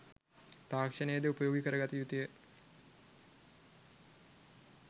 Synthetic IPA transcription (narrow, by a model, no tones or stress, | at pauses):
t̪aːkʂənəjəd̪eupəjoːɡikəɾəɡat̪ijut̪ijə